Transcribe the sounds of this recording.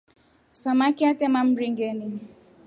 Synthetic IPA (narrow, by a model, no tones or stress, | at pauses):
samakɪatemam̩ɾiŋ̩ɡeni